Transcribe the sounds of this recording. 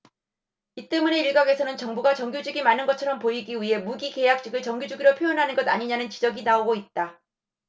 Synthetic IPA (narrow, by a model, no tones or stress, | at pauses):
it͈e̞mune̞iɭɡaɡe̞sʰʌnɯnt͡ɕʌŋbuɡat͡ɕʌŋɡjod͡ʑiɡimanːɯnɡʌt͡ɕʰʌɾʌmpoiɡiɥiɦe̞muɡike̞jak̚t͡ɕ͈iɡɯɭt͡ɕʌŋɡjod͡ʑuɡiɾopʰjojʌnɦanɯnɡʌdaɲiɲanɯnt͡ɕid͡ʑʌɡinaoɡoit̚t͈a